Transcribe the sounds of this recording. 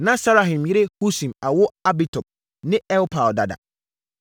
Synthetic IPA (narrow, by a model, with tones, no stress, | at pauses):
nã˦sa˦ɾa˨ɦɪ̃˨mjɪ˦ɾe˦hu˦sĩ˨ma˨wʊ˦a˦bi˦tʰɔ˨p̚ | nɪ̃˦ɛ˦lpʰa˨lda˨da̰˨